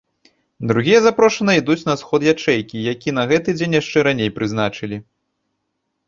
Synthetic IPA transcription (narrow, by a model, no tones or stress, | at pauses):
d̪ɾuɣʲijɛzapɾɔʂɐnɨid̪ut͡sʲnɐsxɔt̪jat͡ʂɛjkʲijakʲiɛnɐɣɛt̪ɨd͡zʲenʲjaʂt͡ʂɛɾanʲejpɾɨzn̪at͡ʂɨlʲi